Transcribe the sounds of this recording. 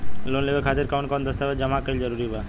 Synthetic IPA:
lonlebekʰat̪eɾkawɳʈkɔnd̪əst̪abed͡ʒəmakəɾild͡ʒəɾuɾiɦba

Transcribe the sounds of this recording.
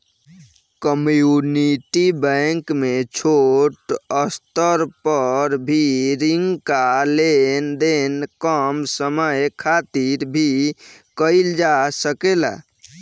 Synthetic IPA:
kəmjuniʈibə̃ŋkmet͡ʃʰoʈəst̪əɾpəɾbʱiɾiŋɡkalend̪enkəmsəməjkʰat̪iɾbʱikəɪld͡ʒasəkela̰

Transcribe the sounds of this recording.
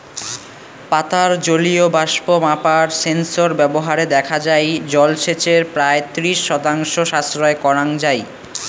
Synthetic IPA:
pat̪aɾd͡ʑoliobaʃpomapaɾsensoɾbɛboɦaɾed̪ɛkʰad͡ʑajd͡ʑɔlʃet͡ɕeɾpɾaet̪ɾiʃːɔt̪aŋʃoʃasɾɔekɔɾaŋd͡ʑaj

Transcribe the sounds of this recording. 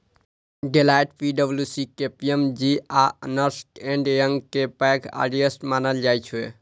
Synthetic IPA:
ɖelajʈpiɖəbljusikepiemd͡ʒianəɾsʈẽɳɖjəŋɡkepɛkʰa̰ɖiesʈmanəld͡ʒajt͡ʃʰuḛ

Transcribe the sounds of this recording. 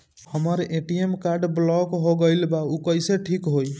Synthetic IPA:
həməɾeʈiemkaɾɖblɔkɦoɡəjlbaukəjseʈʰikɦoj

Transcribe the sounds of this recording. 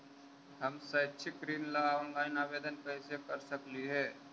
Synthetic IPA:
hɐmsɐt͡ʃʰɪkɾiːnlaɔːnlaːɪnaːʋeːd̪ənpɛɦsekəɾsəkliɦɛː

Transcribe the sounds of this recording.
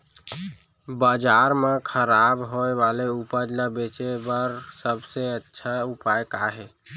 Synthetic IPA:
bəd͡ʒaɾmẽkʰəɾabɦoebaleupəd͡ʒləbet͡ʃebəɾsəbseətːʃʰaupajkaɦɛ

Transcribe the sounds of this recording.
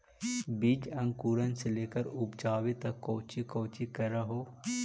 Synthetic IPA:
bid͡ʒɐ̃ŋkuːɾənseleːkəɾʊpd͡ʒaːʋet̪ɐkːoːt͡ʃikoːt͡ʃikɐɾɐɦoː

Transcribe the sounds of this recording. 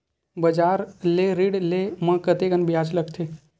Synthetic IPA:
bəd͡ʒaɾleɾiɽlemə̃kət̪eɡənbijad͡ʒləkt̪ʰe

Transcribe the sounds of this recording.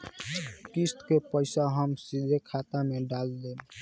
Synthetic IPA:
kist̪kepəɪsaɦəmsid̪ʱekʰat̪ameɖald̪eb

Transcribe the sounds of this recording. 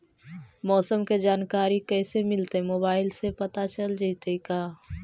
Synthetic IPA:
mɔːsəmked͡ʒaːnkaːɾikɛːsemɪlt̪emoːbaːɪlsepɐt̪at͡ʃəld͡ʒit̪ekaː

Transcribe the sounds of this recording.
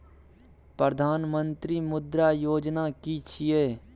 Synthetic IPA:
pɾəd̪ʱaːnmə̃nt̪ɾiːmʊd̪ɾaːjoːd͡ʒnaːkit͡ʃʰieː

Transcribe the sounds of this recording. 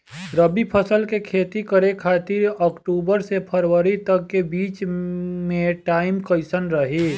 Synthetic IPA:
ɾəbipʰəsəlkekʰeːt̪ikəɾekʰaːt̪ɪɾɔkʈuːbəɾsepʰəɾwəɾit̪əkːebiːt͡ʃmẽʈaːɪmkəɪsənɾəɦi

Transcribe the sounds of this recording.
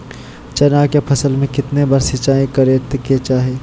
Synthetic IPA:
t͡ʃɐnaːkepʰɐsəlmẽkɪt̪nebaɾsɪt͡ʃaːĩkɐɾet̪ket͡ʃaːɦeː

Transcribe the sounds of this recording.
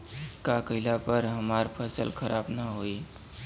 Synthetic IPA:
kakəɦɪlapəɾɦəmaɾpʰəsəlkʰəɾʔabnəɦoj

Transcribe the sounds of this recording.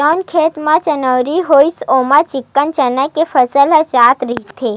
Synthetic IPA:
ɔnkʰet̪mãt͡ʃənəʋɾiɦojsomãt͡ʃikːənt͡ʃənəkefʰəsələt͡ʃaːt̪ɾit̪ʰe

